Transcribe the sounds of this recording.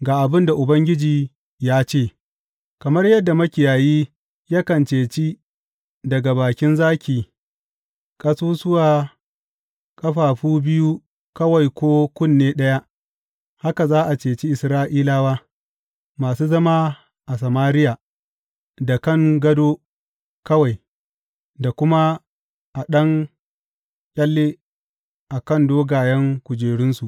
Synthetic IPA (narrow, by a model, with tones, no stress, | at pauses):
ɡaː˨ʔa˨bɪ˦nda˨ʔʊ˨bɐ˦ŋɡʲɪ˦d͡ʒiː˨ | jaː˦t͡ʃeː˦˨ | kɐ˨mɐ˦rjɐ˦dːa˨mɐ˦kʲɪ˨jaː˨jiː˦ | ja˦kɐ˨nt͡ʃeː˨t͡ʃi˦ | dɐ˨ɡa˨baː˨kʲɪ˦nzaː˦kʲiː˨ | kʼɐ˦suː˦sʊ˦waː˨ | kʼɐ˦ɸaː˨ɸuː˦bɪ˦ju˦ | kɐ˦wa˨jkʷoː˦kʷʊ˦˨nːeː˦ɗɐ˦ja˦ | ha˦ka˨zaː˦ʔa˨t͡ʃeː˨t͡ʃi˦ʔɪ˨sɾaː˦ʔiː˦laː˦waː˦ | maː˨suː˦zɐ˦maː˦ | ʔa˨s̬ɐ˨maː˦ɾɪ˦jaː˨ | da˨kɐ˦˨ŋɡɐ˦doː˦ | kɐ˦wa˨j | da˨kʷʊ˦ma˦ | ʔa˨ɗɐ˦ŋ | kʲʼɐ˦lːeː˦ | ʔa˨kɐ˦˨ndoː˦ɡaː˨jɐ˦ŋkʷʊ˨d͡ʒeː˨ɽɪ˦nsu˨ʔ